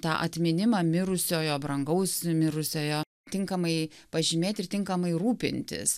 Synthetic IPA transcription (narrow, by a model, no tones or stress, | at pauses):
t̪ɑ̰ːʔɐ̰t̪ʲmʲɪnʲɪmɑmʲɪɾʊsʲoːjoːbɾɐŋɡɐʊsmʲɪɾʊsʲoːjoː | t̪ʲɪŋkɐmɐɪ | pɐʒʲimʲeːt̪ʲɪrt̪ʲɪŋkɐmɐɪɾuːpʲɪ̰nʲt̪ʲɪ̰s